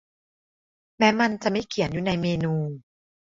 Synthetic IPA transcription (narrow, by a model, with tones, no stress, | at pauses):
mɛː˦˥ma˧nt͡ɕa˨˩ma˥˩jkʰi˩˦ənjuː˨˩na˧jmeː˧nuː˧